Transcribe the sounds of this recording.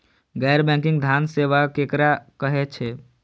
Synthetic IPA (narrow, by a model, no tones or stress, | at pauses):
ɡɛːɾbɛ̃ŋkɪ̃ŋɡd̪ʱjanseʋakekɾakəɦet͡ʃʰe